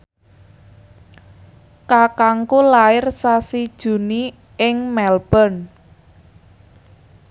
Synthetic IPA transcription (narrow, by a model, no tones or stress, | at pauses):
kakaŋkulaɪrsasid̥ʒ̥ṳni | ɪŋmɛlb̥ɔ̤n